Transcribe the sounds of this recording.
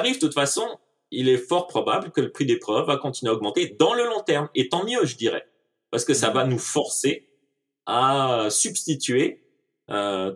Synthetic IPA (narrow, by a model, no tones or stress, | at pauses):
ʁivt̪ut̪fasɔ̃ | ilɛfɔʁpχɔbabləkələpχid̪epχœvːakɔ̃t̪inɥaɔɡmɑ̃t̪ed̪ɑ̃ləlɔ̃t̪ɛʁmet̪ɑ̃mjøʒəd̪iʁɛ̰ | paʁsə̥kəsavanufɔʁse | asybst̪it̪ɥe | ø